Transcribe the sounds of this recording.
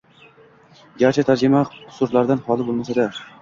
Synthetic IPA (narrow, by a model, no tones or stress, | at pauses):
ɡʲaɾt͡ʃʰat̪ʰaɾd͡ʒɪmaʊ̥sʊɾlaɾd̪anhɒlˠɪbolˠmasad̪a